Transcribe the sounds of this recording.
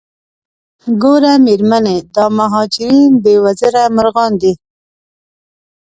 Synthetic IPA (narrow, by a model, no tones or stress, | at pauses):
ɡoɾameɾmaned̪ɑmaɦɑd͡ʒɪɾinbewaziɾamʊɾɣɑnd̪i